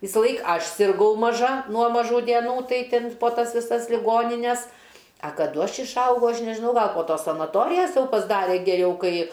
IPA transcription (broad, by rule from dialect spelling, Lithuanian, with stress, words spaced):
ʋʲɪsɐˈlˠɐɪk ˈɐʃ sʲɪrˈɡɐʊ mɐˈʒɐ nuɔ mɐˈʒuː dʲiɛˈnuː ˈtɐɪ ˈtʲɪn poː ˈtɐs ʋʲɪˈsɐs lʲɪˈɡoːnʲɪnʲɛs ɐ kɐˈdʊ ˈɐʃ ɪʃˈɐʊɡɐʊ ˈɐʃ nʲɛʒʲɪˈnɐʊ ˈɡɐlˠ poː ˈtoːs sɐnɐˈtoːrʲɪjɛs ˈjɛʊ pɐzˈdɑːrʲɛ ɡʲɛˈrʲɛʊ ˈkɐɪ